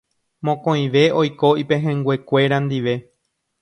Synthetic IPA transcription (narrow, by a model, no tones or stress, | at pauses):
mõkõĩʋe̞o̞jko̞ipẽɦẽŋɡwe̞kʷe̞ɾand̪iʋe̞